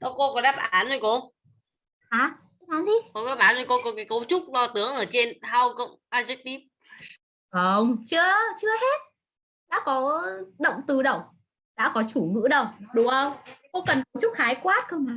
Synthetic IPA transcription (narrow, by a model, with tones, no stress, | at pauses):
t̪ɔ˨˦ko˧kɔ˨˦nɗaː˦˥p̚ʔaː˨˦nzo˨˧˩jko˧ | ʔaː˨˦˧ | aː˨˦nzi˧˩kɔ˨˧˦ɗaː˦˥p̚ʔaː˨˦nzo˨˧˩jko˧kɔ˨˦kaː˨˦jkə˨˦wt͡ɕʊ˦˥k͡p̚lɔ˧t̪ɨ˨˦əŋʔəː˧˩t͡ɕe˧nɦaː˧wkə̰˧˨wŋ͡mʔaː˧zɛ˦˥k̚ɗi˦˥p̚ | ʔə˨˧˩ŋ͡mt͡ɕɨ˦˥ət͡ɕɨ˦˥əhe˦˥t̚ | ɗa̰ː˧˥kɔ˨˦ɗə̰˧˨wŋ͡mt̪ɨ˨˩ɗə̰˧˨wŋ͡m | ɗa̰ː˧˥kɔ˨˦t͡ɕu˧˩ŋɨ̰˧˥ɗə˧˨wŋ͡mɗʊ˨˦ʔə˧wŋ͡mko˧kə˨˩nkə˨˦wt͡ɕʊ˦˥k͡p̚haː˨˦jkwaː˦˥t̚kə˧ma˨˦